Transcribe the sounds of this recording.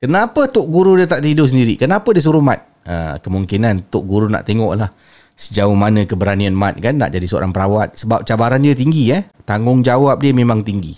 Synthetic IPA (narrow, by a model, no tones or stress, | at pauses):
kənapət̪ʊʔ̚ɡuɾudiət̪aʔt̪idʊsəndiɾikənapədis̬uɾuhmat̪̚ | ə̰kəmuŋkinant̪ʊʔ̚ɡuɾuna̰ʔt̪eŋɔʔlah | səd͡ʒaʊhmanə̃kəbəɾanianmat̪̚kanːa̰ʔd͡ʒadisəo̰ɾa̰ŋpəɾawat̪̚səbap̚t͡ʃabaɾandjət̪iŋɡiət̪aŋʊŋd͡ʒawap̚diəmemãŋt̪iŋɡḭ